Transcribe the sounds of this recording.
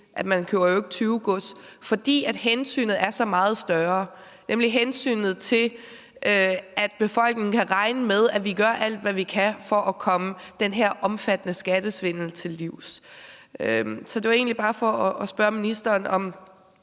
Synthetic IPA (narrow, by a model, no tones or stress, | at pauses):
ʔæd̥mænkʰøʊ̰ɐjoe̝ɡ̥ət͡sʰyːʊɡ̥ɔsfɒ̽d̥ḭːæd̥hensy̰ːnð̩ˠæɐsɒ̽mɑ̈ːð̞̩ˠsd̥ɶɐ | nʔemliɦensy̰ːnð̞̩ˠt͡sʰe̝l | ʔøæd̥̚b̥e̝fɒ̽l̰ɡ̥ne̝ŋ̩kʰæʁɑ̈ɪnəmeð̞ˠæʋiɡ̥ɶɐʔæl̰d̥ʋæʋikʰæfɒʔækʰɒ̽məd̥enɦeɐ̰ʔɒ̽mfæd̥ənəsɡ̥æd̥əsʋe̝n̰l̩t͡sʰe̝lːiʊ̰s | øsɒ̽d̥e̝ʋe̝̰ːnlib̥ɑ̈ːfɒ̽ɒːsb̥ɶɐminisd̥ɐːnɒ̽m